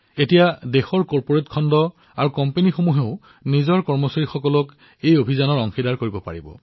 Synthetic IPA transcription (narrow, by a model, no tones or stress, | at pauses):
etijadexɔɹkɔɹpoɹetkʰɔndɔ | aɹukɔmpenixomuɦeʊ | nizɔɹkɔɹmɔsaɹixɔkɔlɔk | ejobʱizanɔɹɔŋxidaɹkoɹibɔpa̰ɹibɔ̰